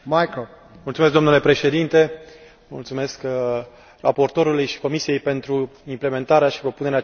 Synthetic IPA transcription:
majko | multsumesk̚d̪omnule̞pɾe̞ʃe̞d̪int̪e̞ | mṵlt̪sume̞sk | ra̰po̞rt̪o̞ɾulujʃi̥ko̞misije̞jpe̞nt̪ɾuimple̞me̞nt̪aɾeaʃi̥pɾo̞pune̞ɾea

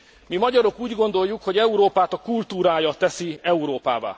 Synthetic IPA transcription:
mimɒɟɒɾo̞kuːɟɡo̞nd̪o̞jːukho̞ɟɛuɾoːpaːt̪ɒkult̪uːɾaːjɒt̪ɛsiɛuɾoːpa̰ːva̰ː

